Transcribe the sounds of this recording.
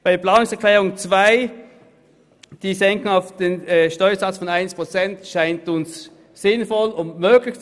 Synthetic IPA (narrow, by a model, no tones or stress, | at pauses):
b̥aɪplaːnʊŋsɛɐkʰlɛːʁʊŋt͡sv̥aɪ | d̥iːzɛŋkʊŋaʊfd̥eːnɛʃtɔʏɐzɑt͡sfɔnaɪnspʁ̥ot͡sɛntʃaɪntʊns | sɪnfɔlʊntmøːɡlɪçt͡s